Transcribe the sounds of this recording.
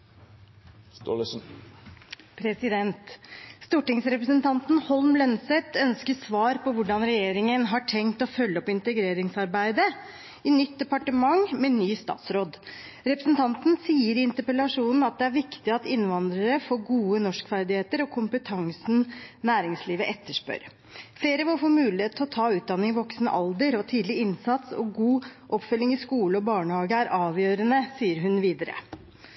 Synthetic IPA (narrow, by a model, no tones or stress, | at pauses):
st̪o̰lsn | pʰɾɛsɪd̪ɛnt̪st̪uːʈɪŋsɾɛpɾəsənt̪ɑnt̪nhɔlmlɛnsɛt̪ʰœnskəsʋɑːɾpɔʋʊɖɑnɾɛjeːɾɪŋənɦɑʈʰɛŋt̪ɔfœlːəɔpɪnt̪əɡɾeːɾɪŋsɑɾbæɪd̪ə | ɪnʏt̪̚d̪ɛpɑʈəmɑŋmɛnyːst̪ɑ̰ːt̪sɾoːd̪ | ɾɛpɾəsnt̪ʰɑnt̪n̩siːəɾɪɪnt̪əɾpəlɑʂuːnn̩ɑt̪̚d̪ɛæɾʋɪkt̪ɪɑt̪ɪnʋɑnd̪ɾəɾəfoːɡuːənɔʂkfæɾd̪ɪheːt̪əɾɔkʰʊmpət̪ʰɑŋsn̩næːɾɪŋsliːʋəʔɛt̪ːəʂpø̰ɾ | fleːɾəʋɪlfoːmʉːlɪheːt̪ʰlɔt̪ʰɑːʉːt̪̚d̪ɑnːɪŋʋɔksnə̰ʔɑld̪əɾɔt̪ʰiːd̪lɪɪnsɑt̪sɔ̰ɡuːʔɔpfœlːɪŋɪskuːləɔbɑːɳəhɑːɡəæɾʔɑːʋjøːɾənəsiːəɾɦʉnʋiːd̪əɾə̰